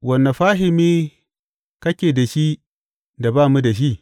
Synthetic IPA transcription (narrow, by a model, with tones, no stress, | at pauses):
wɐ˨nːa˨ɸaː˦ɦɪ˨miː˦ | kɐ˦kʲeː˨da˨ʃi˦ | da˨baː˦˨mu˦da˨ʃ̬i˦ʔ